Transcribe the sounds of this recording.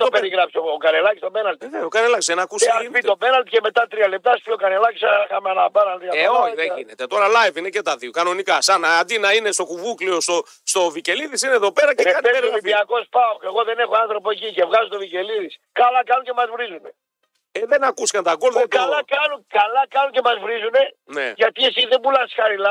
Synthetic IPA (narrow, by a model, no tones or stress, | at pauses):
t̪opeɾiɣɾɐpsokɐnelɐci̥st̪obenɐlt̪ineokɐnelɐcisðenɐkusasit̪o̞benɐlt̪i̥ceme̞t̪ɐt̪ɾiɐle̞p̚t̪ɐspiokɐnelɐci̥sɐxɐmeɐnɐbenɐlt̪ijɐeoðeinet̪et̪o̞ɾɐlɐjvinecet̪ɐðiokɐno̞nikɐsɐnɐːnd̪inɐine̞st̪o̞kuvukliost̪o | st̪o̞vice̞liðisineeðope̞ɾɐcekɐt̪eoipiɐko̞spɐoeɣo̞ðe̞ne̞xoɐnθɾo̞poecice̞vɣɐzot̪ovice̞liðiskɐlɐkɐnucemɐzvɾizune̞ | eðenɐkuskɐnt̪ɐɡolðekɐlɐkɐnunkɐlɐkɐnunce̞mɐzvɾizune̞neʝɐt̪iesiðembulɐsi̥sxɐɾilɐ